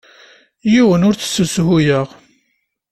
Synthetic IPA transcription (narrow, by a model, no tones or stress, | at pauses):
jiwənʊɾt͡sə̥sːəshujəʁ